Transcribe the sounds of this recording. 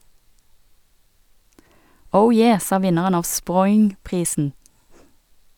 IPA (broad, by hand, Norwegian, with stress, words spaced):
ˈəʊ ˈjeː ˈsɑː ˈʋɪnəʁən ˈɑːʋ ˈspʁɔʏŋˌpʁiːsn̩